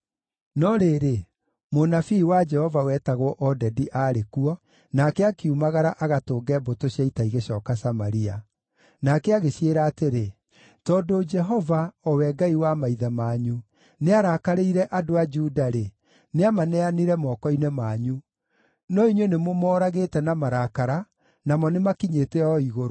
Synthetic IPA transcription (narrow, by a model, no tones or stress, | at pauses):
nɔɾeɾe | monafiːwad͡ʒɛhɔvawɛtaɣwɔʔɔdɛdiʔaɾekuɔ | nakɛakeumaɣaɾaʔaɣatoːɡɛbotoɕjaitaiɣeɕɔːkasamaɾia | nakɛaɣeɕieɾaːteɾe | tɔːdod͡ʒɛɦɔvaɔwɛɡaiwamaiðamaɲu | neaɾaːkaɾeiɾɛʔadoad͡ʒudaɾe | neamanɛaniɾɛmɔkɔinɛmaɲu | nɔiɲwenemomɔːɾaɣeːtɛnamaɾakaɾa | namɔnemakiɲetɛɔiɣoɾo